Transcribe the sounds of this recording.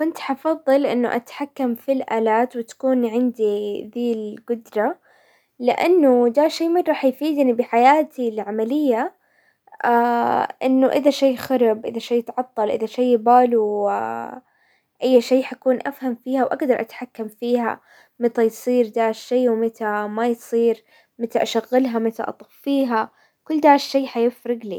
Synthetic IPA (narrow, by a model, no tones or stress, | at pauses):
kɪnt̪ħɑfɑðˤːɨlʔɪ̰nːʊ̰ʔa̰t̪ħakːamfilʔa̰ːlaːt̪wɪt̪ḁkuːnʕɪnd̪id̪iːlɡʊd̪ɾˤɑ | lɪʔa̰nːʊd̪aːʃeːmɪnɾˤɑːħjfiːd̪nibɪħajaːt̪ilʕamalɪjːa | ʔaʔɪ̰nːʊʔɪðaʃeːxɑɾˤɑbʔɪðaʃejːɪt̪ʕɑt̪ˤːɑlʔɪðaʃejːbaːluw | ʔajːʃeːħakuːnʔafhamfiːhawʔaɡd̪ɑɾˤʔa̰t̪ħakːamfiːɦa̰ | mɪt̪ajsˤiːɾd̪aːʕʃːeːwmɪt̪amajsˤiːɾ | mɪt̪aʔaʃaɣːɪlɦamɪt̪a̰ʔɑ̰t̪ˤɑfːiːɦa | kʊlːd̪aːʕɪʃːeːħajɪfɾɪɡlḭ